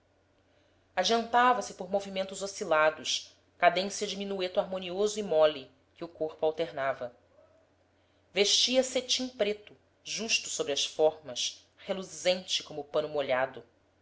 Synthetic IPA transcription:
ad͡ʒiɐ̃nt̪avɐsɪpoɾmovimẽnt̪ʊzosilad̪ʊʃ | kad̪ẽŋsjɐd͡ʒiminuet̪ʊaɾmõniozʊimɔli | kɪʊkoɾpʊawt̪eɾnavɐ | veʃt͡ʃiɐset͡ʃĩŋpɾet̪ʊ | ʒuʃt̪ʊsobɾɪɐʃsfɔɾmɐʃ | heluzẽnt͡ʃɪkõmʊpɐ̃nʊmoʎad̪ʊ

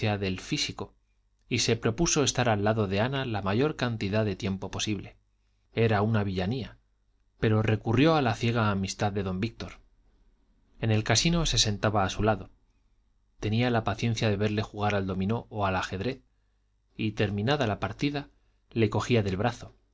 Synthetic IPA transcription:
aðe̞lfisiko̞ | ise̞pɾo̞puso̞e̞st̪aɾalːaðo̞ðe̞analamaʝo̞ɾkant̪iðaðe̞t̪je̞mpo̞po̞siβle̞ | e̞ɾaunaβiʎania | pe̞ɾo̞re̞kurjo̞alaθje̞ɣ̞aːmist̪aððe̞ðo̞mbik̚t̪o̞ɾ | e̞ne̞lkasino̞se̞se̞nt̪aβaːsulaðo̞ | t̪e̞nialapaθje̞n̟θjaðe̞βe̞ɾle̞xuɣ̞aɾald̪o̞mĩno̞ʔoalaxe̞ðɾe̞θ | it̪e̞ɾmĩnaðalapaɾt̪iða | le̞ko̞xiaðe̞lβɾaθo̞

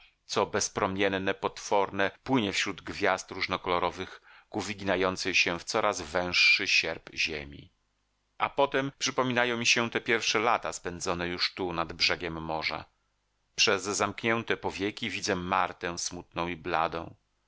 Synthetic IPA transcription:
t̪sɔbɛspɾɔmʲjɛnːɛpɔt̪fɔɾnɛpwɘɲɛfɕɾud̪ɡvʲjast̪ɾuʐnɔkɔlɔɾɔvɘxɡ̥uvʲiɡʲinajɔnt̪sɨɕɛft̪sɔɾʔazvɛ̃w̃ʂːɘɕɛɾpʑḛmʲḭ | ʔa̰pɔt̪ɛmpʂɘpɔmʲinajɔ̃w̃mʲiɕɛt̪ɛpʲjɛɾfʂɛlat̪aspɛnd̪zɔnɛjuʂt̪unad̪bʐɛɡʲɛmːɔʐa̰ | pʂɛzːamkɲɛnt̪ɛpɔvʲjekʲivʲid̪zɛmaɾt̪ɛ̃smut̪̚nɔ̃w̃iblad̪ɔ̰̃w̃

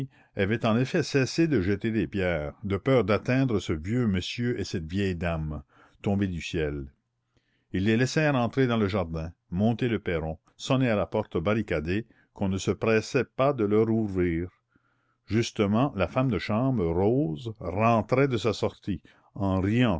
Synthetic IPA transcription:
avɛt̪ɑ̃nefɛsɛsed̪əʒət̪ed̪eːpjɛːʁd̪əpœːʁd̪at̪ɛ̃d̪ʁəsəvjøməsjøʔesɛt̪vjɛjd̪am | t̪ɔ̃bed̪ysjɛl | ilːelɛsɛːʁɑ̃t̪ʁed̪ɑ̃ləʒaʁd̪ɛ̃mɔ̃t̪eləpɛɾɔ̃ | sɔnealapɔʁt̪baʁikad̪e | kɔ̃nəsəpɾɛsɛpad̪əlœɾuvɾiːʁ | ʒyst̪əmɑ̃lafamd̪əʃɑ̃bʁəɾoːzʁɑ̃t̪ɾɛd̪əsasɔʁt̪i | ɑ̃ʁijɑ̃

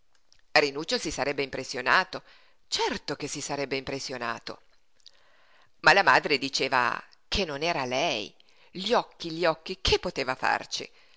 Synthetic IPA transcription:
rinuːt͡ʃːosisaɾɛbːeimpɾesːjonaːt̪o | t͡ʃɛrt̪ok̟esisaɾɛbːeimpɾesːjona̰ːt̪o̰ | malamaːd̪ɾed̪it͡ʃeːva̰ | kʰenːonɛːɾalɛj | ʎɔkːiʎiɔkːikʰepːot̪eːvafa̰rt͡ʃḭ

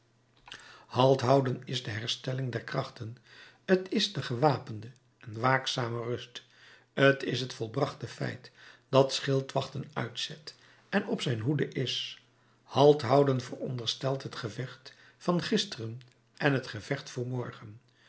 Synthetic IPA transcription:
hɑlˠtɦʌwdənɪzdəɦɛɹstɛlɪŋdɛɹkrɑχtən | ətɪsdəχəʋaːpəndə | ɛnʋaːksaːmərɵst | ətɪsɦətfɔlˠbrɑχtəfɛ̰jtd̥ɑtsχɪlˠtʋɑχtənœ̰ɥtsɛt | ɛnɔpsɛjnɦudəʔɪs | hɑlˠtɦɑwdənvərɔ̰ndəɹstɛlˠtɦətχəvɛχt | fɑnχɪstərən | ʔɛnɦətχəv̥ɛχtfʊːɹmɔɹχən

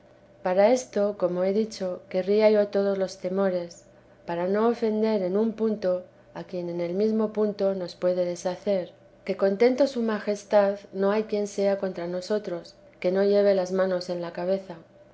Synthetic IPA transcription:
paɾae̞st̪o̞ko̞mo̞e̞ðit͡ʃo̞ke̞riaʝo̞t̪o̞ð̞o̞zlo̞st̪e̞mo̞ɾe̞s | paɾano̞ːfe̞nd̪e̞ɾe̞numpunt̪o̞ | akje̞ne̞ne̞lmizmo̞punt̪o̞no̞spwe̞ðe̞ð̞e̞saθe̞ɾ | ke̞ko̞nt̪e̞nt̪o̞sumaxe̞st̪aðno̞ajkje̞nse̞ako̞nt̪ɾano̞so̞t̪ɾo̞s | ke̞noʎe̞β̞e̞lazmãno̞se̞nlakaβ̞e̞θa

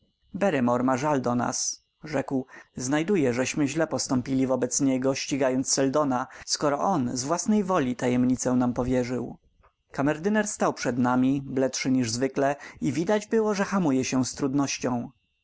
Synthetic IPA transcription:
bɛɾɛmɔɾmaʐald̪ɔna̰s | ʐɛkwznajd̪ujɛʐɛɕmɘʑlɛpɔst̪ɔmpʲilʲivɔbɛt̪sɲɛɡɔɕt͡ɕiɡajɔnt̪ssːɛld̪ɔnaskɔɾɔʔɔnzvwasnɛjvɔlʲit̪ajɛmɲit̪sɛw̃nampɔvʲjɛʐɘ̰w | kamɛɾd̪ɘnɛɾst̪awpʂɛd̪namʲiblɛtʂɘɲiʐzvɘklɛivʲid̪ad͡ʑbɘwɔʐɛxamujɛɕɛst̪ɾud̪nɔɕt͡ɕɔ̃w̃

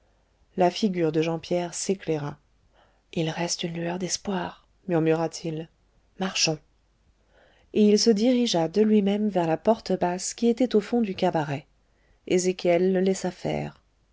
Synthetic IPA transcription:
lafiɡʲyʁd̪əʒɑ̃pjɛʁseklɛʁa | ilʁɛst̪ynlyœʁd̪ɛspwaːʁ | myʁmyʁat̪ʰil | maʁʃɔ̃ | eilsəd̪iʁiʒad̪əlɥimɛmvɛʁlapɔʁt̪əbaskʲiet̪ɛt̪ofɔ̃d̪ykabaʁɛ | ezekʲjɛlːəːɛsafɛ̰ːʁ

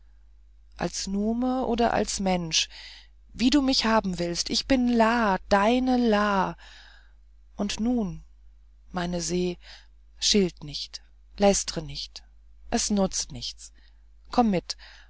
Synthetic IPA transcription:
ʔa̰lsnuːməʔoːdɐ̰ʔa̰lsmɛnʃ | viːduːmɪçhaːbm̩vɪlstʔɪçb̥ɪnlaːd̥aɪnəlaː | ʔʊntnuːn | maɪnəzeː | ʃɪltnɪçt | lɛstʁ̥ənɪçt | ʔɛsnʊt͡stnɪçt͡s | kʰɔmːɪt

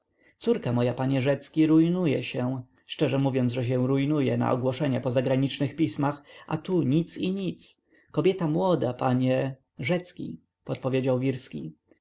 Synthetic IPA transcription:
t̪suɾkamɔjapaɲɛʐɛt̪skʲiɾujnujɛɕɛ̃ | ʂt͡ʂɛʐɛmuvʲjɔnt̪ʐɛɕ̬ɛ̃ɾujnujɛna̰ʔɔɡwɔʂɛɲɛpɔzaɡɾaɲit͡ʂnɘxpʲismaxʔa̰t̪uɲit̪siɲit̪s | kɔbʲjɛt̪amwɔd̪apaɲɛ | ʐɛt̪skʲḭ | pɔt̪̚pɔvʲjed͡ʑawvʲiɾskʲḭ

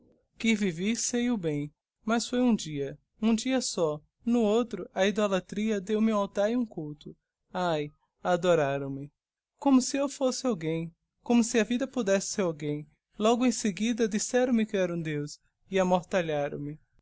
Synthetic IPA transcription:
kɪvivisejʊbẽj̃ | mɐsfojũd͡ʒiɐ | ũd͡ʒiɐsɔ | nʊowt̪ɾʊʔɐid̪olat̪ɾiɐd̪ewmɪũawt̪aɾũkuwt̪ʊ | aj | ad̪oɾaɾɐ̃w̃mɪ | kõmʊsɪewfosɪawɡẽj̃ | kõmʊsɪɐvid̪ɐpud̪ɛsɪ̥seɾawɡẽj̃ | lɔɡʊẽj̃seɡid̪ɐd͡ʒisɛɾɐ̃w̃mɪkɪɛɾɐũd̪ews | ɪamoɾt̪aʎaɾɐ̰̃w̃mɪ

